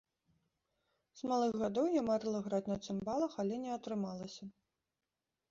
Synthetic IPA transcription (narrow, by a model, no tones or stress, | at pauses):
z̥malˠɨɣɣad̪ɔwjamaɾɨlˠɐɣɾat͡sʲnɐt̪sɨmbalˠɐxalʲɛnʲɛɐt̪ɾɨmalˠɐsʲɐ